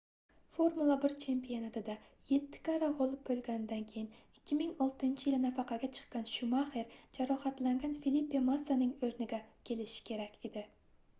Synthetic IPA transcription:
foɾmulˠabɪɾt͡ʃʰe̞mpijonat̪ʰɪd̪a | je̞t̪ʰːɪ̥kʲʰaɾaʁolˠɪp̚bɵlɡʲanɪd̪ankʲʰejɪnɪkʲʰːɪmɪŋɒlˠt̪ɪɪnt͡ʃʰɪjɪlɪnafɑqʰɑɡʲat͡ʃʰɨ̥qːɑnʃʊmaheɾd͡ʒaɾɒhɑt̪laŋɡʲanfilipːemasːanɪŋɵɾnɪɡʲakʲʰe̞lɪʃɪ̥kʲʰe̞ɾakʲe̞d̪ɪ

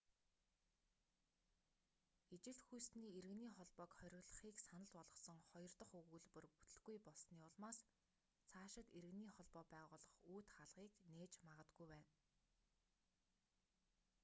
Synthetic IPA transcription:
et͡ɕɪ̆ɬt̪xujsniːeɾɘ̆ɣniːχɔɮpɔːkχœɾʲɪ̆ɣɮə̆χiːksanə̆ɮɔɮʁɞ̆sɞ̆ŋχɔjɞ̆rt̪ɞ̆χɵɣŭːɮpɵ̆rpu̥t̪ɵ̆ɮɡujpɔɮsniːɔɮmaːs | t͡sʰaːʃɪ̆t̪eɾɘ̆ɣniːχɔɮpɔːpæːʁʊːɮɞ̆χuːt̪χaɮʁiːkneːt͡ɕmaʁə̆t̪ɡujwæːn

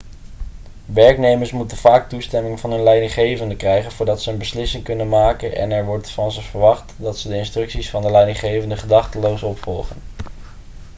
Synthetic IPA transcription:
ʋɛɹknejməɹsmutənv̥aːk̚tustɛmɪŋvɑnɦɵnlɛjdɪŋχejvəndəkrɛjχənvʊːɹdɑtsəənbəslɪsɪŋkɵnənmaːkənʔɛ̰nɛɹʋɔɹtfɑnzəvəɹʋɑχtdɑtsədəɪnstrɵksisfɑndəlɛjdɪnχejvəndəχədɑχtəlowsɔpfɔlˠχən

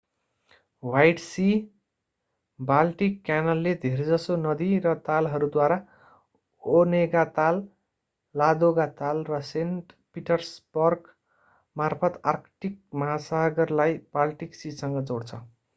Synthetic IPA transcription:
wajʈsi | balʈikːjanʌlːed̪ʱird͡zʌsonʌd̪irʌt̪alɦʌɾud̪waɾa | oneɡat̪alː | ad̪oɡat̪alrʌsenʈ | piʈʌrsbʌrɡ | marpʰʌt̪arkʈik̚mʌɦasaɡʌrlajb̥alʈiksisʌŋɡʌd͡zoɽt͡sʰʌ

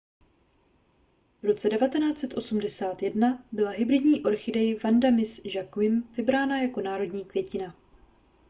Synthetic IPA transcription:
vɾo̞t͡sɛdɛvat̪ɛnaːt͡sɛt̪ʔo̞sumdɛsaːt̪jɛdnabɪlaɦɪbɾɪdɲiːʔo̞ɾxɪdɛjvandamɪsʒakwɪmvɪbɾaːnajako̞naːɾo̞dɲiːkvjɛcɪna

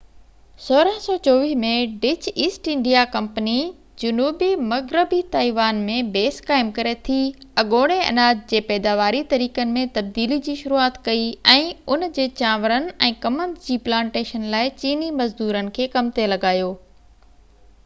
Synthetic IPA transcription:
soːɾəɦsɔːt͡ɕoːʋɪːmẽɖɪt͡ɕiːsʈɪ̃ɳɖijakɐ̃mpəni | d͡ʑʊnuːbimɐɣɾɪbit̪aːiʋaːnmẽbeːskaːɪmkɐɾet̪ʰiɐɠoːɽ̃eɐ̰naːd͡ʑd͡ʑeːpɛːd̪aːʋaːɾit̪ɐɾiːkənɪ̆mẽt̪ɐb̚d̪iːlid͡ʑiːʃʊɾuaːt̪kɐiɛ̃ːʊnd͡ʑeːt͡ɕãːʋəɾənɪ̆ɛ̃ːkɐmənd͡ʑiːplãːɳʈeːʃənlaːɪt͡ɕiːnimɐzd̪uːɾənɪ̆kʰeːkɐmt̪elɐɡaːjoː

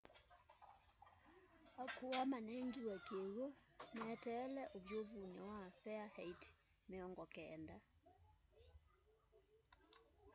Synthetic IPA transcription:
akuwamanɛŋɡiwɛkeɣɔnɛtɛːlɛʔoβjovunɛwafɛahɛit | meɔŋɡɔkɛnda

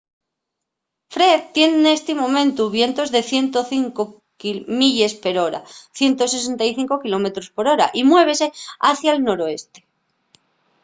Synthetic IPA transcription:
fɾe̞ðt̪je̞nne̞st̪emõ̞mẽ̞nt̪uβje̞nt̪o̞zðe̞θje̞nt̪o̞θiŋko | kimiʎe̞spe̞ɾo̞ɾa̰θje̞nt̪o̞se̞se̞nt̪ajθiŋko̞kilo̞me̞t̪ɾo̞spo̞ɾo̞ɾa̰ʔimwe̞β̞e̞se̞aθjaelno̞ɾo̞e̞st̪e̞̥

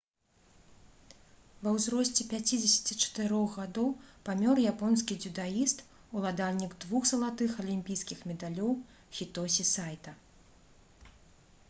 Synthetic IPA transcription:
vɐwzɾɔsʲt͡sʲɛpʲat͡sʲid͡zʲɛsʲɐ̥t͡sʲit͡ʂɐ̥t̪ɨɾɔɣɣad̪ɔwpamʲɔrjapɔns̬kʲid͡zʲud̪ajist̪ | ulˠad̪alʲnʲiɡd̪vuxsɐlˠat̪ɨxɐlʲimʲpʲijskʲixmʲɛd̪alʲɔw | xʲit̪ɔsʲisajt̪ɐ

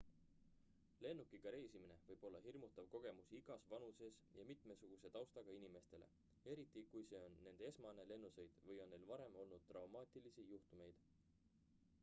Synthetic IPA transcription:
le̞nːukˑiɡ̥ɑɾe̞jsimine̞vɤjb̥o̞lːɑɦirmut̪ːˑɑvko̞ɡ̥e̞musiɡ̥ɑsvɑnuse̞sjɑmit̪ˑme̞suɡ̥use̞t̪ɑwst̪ɑɡ̥ɑinime̞st̪e̞lḛ | e̞ɾit̪ːˑikujse̞ːo̞nːe̞nd̪ee̞smɑne̞le̞nːusejd̪̥vɤjo̞nːe̞jlvɑɾe̞mo̞lnud̪̥̚t̪rɑwmɑːt̪ʲˑilisijuht̪ume̞jd̪̥

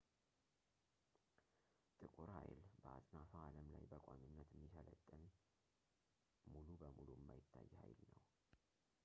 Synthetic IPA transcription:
t̪ʼɨkʼuɾha̰jlb̥əat̪ʼnafaaləmlajbəkʷʼoɲunːət̪mːifələt̪ʼːɨn | mulubəmuluɪmːajɪt̪ʰːajːhajlnəw

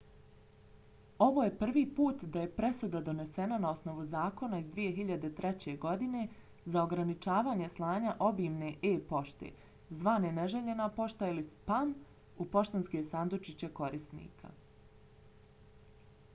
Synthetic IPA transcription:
o̞ʋoje̞pr̩ʋiːpuːt̪d̪aje̞pɾe̞sud̪ad̪o̞ne̞se̞nanao̞sno̞ʋuzaːko̞naizd̪ʋije̞ɦiʎad̪e̞t̪ɾe̞t͡ɕe̞ɡo̞d̪ine̞ | zao̞ɡɾanit͡ʃaːʋaːɲe̞slˠaːɲaʔo̞biːmne̞ʔeːpo̞ʃt̪ḛː | zʋaːneneʒeʎe̞napo̞ʃt̪ailispam | upo̞ʃt̪anske̞sand̪ot͡ʃit͡ɕeko̞ɾisnḭːkʰa̰

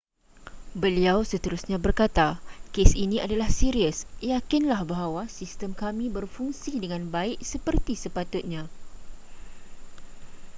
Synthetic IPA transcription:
bəliawsət̪əɾusɲãbərkat̪akesinĩadalahsiɾiəsjakinlahbaɦawasist̪əmkamĩbərfuŋsidəŋãnbaɪk̚səpərt̪isəpat̪ʊt̪̚ɲã

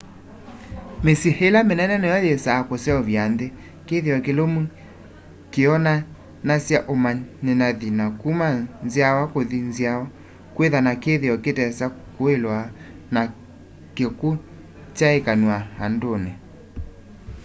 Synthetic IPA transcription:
mesihelamenɛnɛnɛjɔðesakosɛɔvjanðe | keðeɔkelomu | keɔna | nasjaʔomanenaðinakumanzjawakoðinzjawɔ | kweðanakeðeɔketɛsakoelwana | keku | t͡ʃaekanwahandone

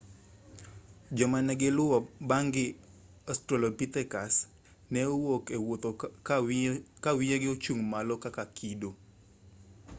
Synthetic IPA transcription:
d͡ʒɔmanɛɡɪlʊwabaŋɡɪ | astɾɔlopit̪ɛkas | nɛowokewot̪o | kawɪjeɡɪot͡ʃuŋmalɔkakakʰido

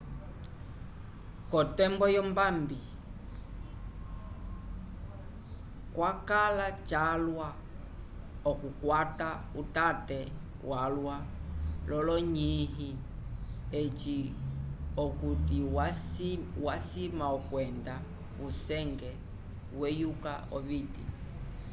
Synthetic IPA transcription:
kɔtɛmbɔjɔmbambi | kwakalat͡ʃalwa | ɔkukwatautatɛ | walwalɔlɔɲiɦi | et͡ʃi | ɔkutia | wasimaɔkwɛnda | vusɛŋɡɛ | wɛjuka̰ɔ̰vitḭ

